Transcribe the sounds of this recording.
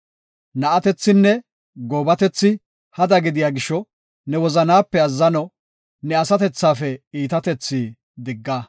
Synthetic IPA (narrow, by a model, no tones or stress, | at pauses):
nɐʔɐt̪ɛt͡sːɪnːɛ | ɡoːbɐt̪ɛt͡sːɪ | hɐd̪ɐɡɪd̪ɪjaːɡɪʃɔ | nɛwɔzɐnaːpːɛɐzːɐnɔ | nɛɐsɐt̪ɛt͡sːaːfɛiːt̪ɐt̪ɛt͡sːiː | d̪ɪɡːɐ